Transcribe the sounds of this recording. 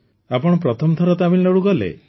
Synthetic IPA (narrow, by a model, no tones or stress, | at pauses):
apɔɽ̃ɔpɾɔt̪ʰɔmt̪ʰɔɾɔt̪amilnɔɽuɡɔlḛ